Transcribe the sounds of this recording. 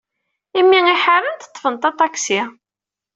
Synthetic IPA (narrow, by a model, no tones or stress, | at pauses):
imːiŋiħaɾənt̪ə̥t̪ˤːfənt̪ɑt̪ˤɑksi